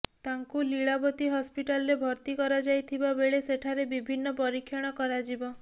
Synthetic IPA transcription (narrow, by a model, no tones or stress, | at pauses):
t̪aŋkuliɭabɔt̪iɦɔspiʈalɔɾebʱɔɾt̪ikɔɾad͡ʒajt̪ʰibabeɭeseʈʰaɾebibʱinːɔpɔɾikʰːjɔɽ̃ɔkɔɾad͡ʒibɔ